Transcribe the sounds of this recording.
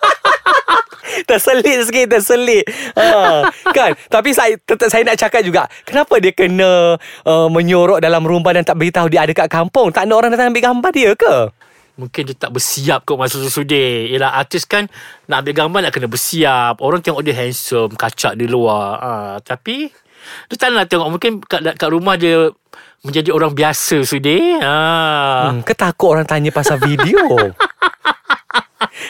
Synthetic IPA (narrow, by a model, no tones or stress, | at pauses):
t̪əsəlɪt̪̚səkit̪̬əsəlɪt̪̚ʔəkant̪ap̬isat̪ət̪əsajənaʔt͡ʃakat̪̚d͡ʒuɡaʔkənapadiəkənə̃ʔəmə̃ɲoɾɔʔ̚dalamɾumbadant̪aʔbəɡit̪aɦudiəadəkaʔkampʊŋt̪aʔnaʔoɾaŋdat̪aŋabɪʔɡambardiəkə | mũŋkɪndiət̪aʔbəsiap̚koʔmasasusudeiəlahat̪ɪskannaʔambɪʔɡambanaʔkənabərsiap̚oɾaŋt̪eɛŋɔʔdəɦɛnsəmkat͡ʃaʔdəluaət̪api | diət̪anlaht̪eŋɔʔmũŋkɪnkaʔkaʔɾumahdiə | mə̃ɲd͡ʒadioɾaŋbiasəsudeə̃ | kət̪akʊʔoɾaŋt̪aɲəpasalfidio